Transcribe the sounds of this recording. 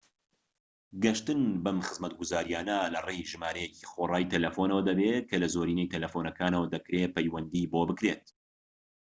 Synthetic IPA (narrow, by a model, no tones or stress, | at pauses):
ɡɐʃt̪ɨnbɐmχɨzmɐt̪̚ɡʊzaːɾijaːnɐlɐrejʒɨmaːɾɐjeci̥χorˤɑːjt̪ʰɐlɐfonɐwɐd̪ɐbekʰɐlɐzoːɾiːnɛjt̪ʰɐlɐfonɐkʰaːnɐwɐd̪ɐkɾepɐjwɐnd̪iːboːbɨkɾeːt̪̚